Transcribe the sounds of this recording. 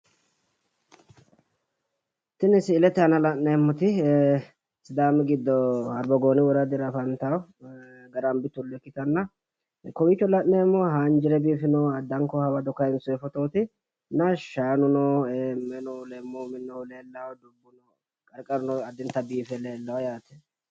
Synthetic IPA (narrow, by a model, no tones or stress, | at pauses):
t̪ɪnɪsɪːlɛt̪ːɛɐnɐlɐʔnɛmːɔt̪ɪ | sɪd̪aːmɛɡɪd̪ːɔɐɾbɔɡoːnɪwɔɾɐd̪ɪɾɐfɐnt̪ɐw | ɡɐɾɐmbɪt̪ːʊlɛkːɪt̪ɐnːɐ | kɔwit͡ʃːɔlɐʔneːmːɔɦand͡ʒɪɾɛbiːfɪnoɐd̪ːɐŋkɔhɐwɐd̪ɔkɐjɪnsʊɛfɔt̪oːt̪ɪ | nɐʃaːnʊnɔmɛnɔʊlɛmːɔmɪnːɔʊleːlːɐwd̪ʊbːʊnɔ | kʼɐɾkʼɐɾʊnɔɐd̪ɪnt̪ːɐbiːfɛleːlːɐwɐjaːt̪ɛ̥